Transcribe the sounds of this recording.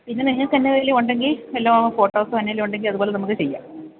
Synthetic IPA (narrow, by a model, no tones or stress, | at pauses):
pinːeniɦɐkɐnːɐðɐleuɳɖe̞ŋɡilelːaːmfo̞ːʈːoːsɨɐnːɐileuɳɖe̞ŋɡilɐðubo̞ːlenɐmukːɨt͡ɕe̞jːa̰ː